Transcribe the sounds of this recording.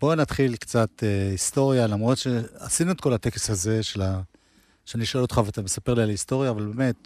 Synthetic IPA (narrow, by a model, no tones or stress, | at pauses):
b̥o̞nat̪χilkt͡sat̪eist̪o̞ʁjalamʁo̞t̪ʃe̞asinuet̪̚ko̞lat̪e̞keshaze̞ʃe̞la | ʃeaniiʃolot̪χaveat̪ame̞sape̞ʁlialaisto̞ʁjaːvalbe̞me̞t̪̚